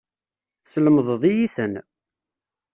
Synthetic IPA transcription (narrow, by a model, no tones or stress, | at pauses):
sələməðˤəðˤijiθən